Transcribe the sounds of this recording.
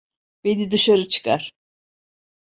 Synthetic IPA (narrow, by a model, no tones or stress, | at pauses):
b̥enid̪ɯʃaɾɯt͡ʃʰɯ̥kʰaɾ̥